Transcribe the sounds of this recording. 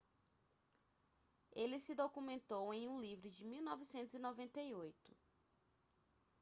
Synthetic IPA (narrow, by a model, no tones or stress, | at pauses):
elɪsɪd̪okumẽnt̪owẽj̃ũlivɾʊd͡ʒɪmiwnɔvisẽnt̪ʊzinɔvẽnt̪eiojt̪ʊ̥